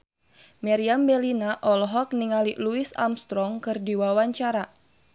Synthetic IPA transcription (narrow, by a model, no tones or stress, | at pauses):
mɛɾiambɛlinaʔɔlɔɦɔk̚niŋaliluisa̰mst̪ɾɔŋkɨrdiwawaɲt͡ʃaɾa